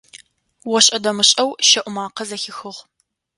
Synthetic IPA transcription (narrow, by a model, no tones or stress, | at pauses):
wɔɕʼɐdɐmɨɕʼɐwʃɐʔʷʊmaːqɐzɐxɪxɨʁ